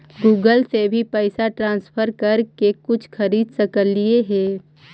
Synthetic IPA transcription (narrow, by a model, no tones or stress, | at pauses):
ɡuːɡəlsebʱipəɪsaʈɾãːnspʰəɾkəɾkekʊt͡ʃʰxɐɾiːd̪sɐkəlːieɦɛ̃ː